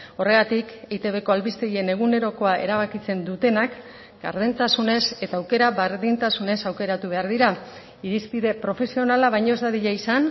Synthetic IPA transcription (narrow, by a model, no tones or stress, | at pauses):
o̞re̞ɣ̞at̪iket̪e̞βe̞ko̞alβist̪eɣie̞ne̞ɣ̞une̞ɾo̞ko̞ae̞̰ɾaβakit͡se̞nd̪ut̪e̞nak | ɡ̥a̰ɾðint̪asune̞se̞t̪aːwke̞ɾaβaɾðint̪asune̞sawke̞ɾat̪uβ̞e̞aɾðiɾa | iɾispiðe̞pɾo̞fe̞sio̞nalaβajɲo̞ezd̪aðiʎaisan